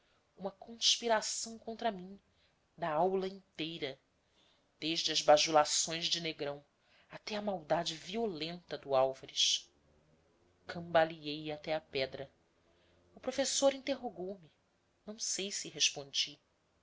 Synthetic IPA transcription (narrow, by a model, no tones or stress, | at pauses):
ũmɐkõspiɾasɐ̃w̃kõnt̪ɾamĩ | d̪aawlɐĩnt̪ejɾɐ | d̪̥eʒd͡ʒɪɐzbaʒulasõj̃zd͡ʒɪneɡɾɐ̃w̃ | at̪ɛɐmawd̪ad͡ʒɪviolẽnt̪ɐd̪ʊawvɐɾiʃ | kʰɐ̃mbaliejat̪ɛɐpɛd̪ɾɐ | ʊpɾofesoɾĩnt̪eɦoɡowmɪ | nɐ̃w̃sejsɪɦeʃpõnd͡ʒi